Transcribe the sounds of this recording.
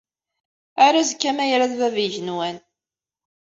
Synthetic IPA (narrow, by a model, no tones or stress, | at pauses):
aɾazkːæmæjɾaððæviʝənwæn